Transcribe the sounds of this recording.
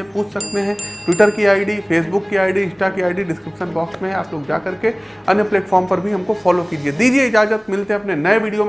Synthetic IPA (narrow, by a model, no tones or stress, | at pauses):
epuːt͡ʃʰsɐk̚t̪eɦɛ̃ʈʋɪʈəɾkiaːɪɖifeːs̬bʊkːiaːɪɖiɪ̃sʈakiaːɪɖiɖɪskɾɪpʃənbɔːksmẽɦɛ̃aːploːɡd͡ʒa̰ːkɐɾke | ɐnjəpleːʈfʰɔːɾmpɐɾbʱiɦɐmkofɔːlokiːd͡ʒieːd̪iːd͡ʒieɪd͡ʒaːd͡ʒət̪mɪlt̪eɦɛ̃ɐpnenɐeʋiːɽijo